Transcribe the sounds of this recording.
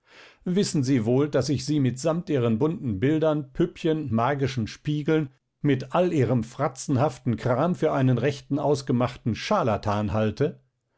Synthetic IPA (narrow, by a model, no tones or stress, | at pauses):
vɪsn̩ziːvoːldasɪçz̥iːmɪtz̥amtʔiːʁənbʊntn̩bɪldɐnpʰʏpçənmaːɡɪʃn̩ʃpiːɡl̩n | mɪtʔalʔiːʁəmfʁ̥at͡sn̩haftn̩kʁ̥aːmfyːɐʔaɪnənʁɛçtn̩ʔaʊsɡ̥əmaχtn̩ʃaːlatʰaːnɦaltə